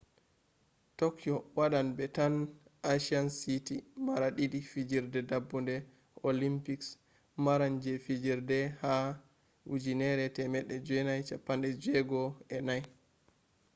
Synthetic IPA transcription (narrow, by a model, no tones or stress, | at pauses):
tɔkjɔwaɗanbɛtanʔaʃiansitimaɾaɗiɗifid͡ʒiɾdɛdabːundɛ | olimpiks | maɾand͡ʒɛfid͡ʒiɾdɛha | ud͡ʒinɛɾɛtɛmɛɗːɛd͡ʒɛnajt͡ʃapːandɛd͡ʒɛɡɔɛnaj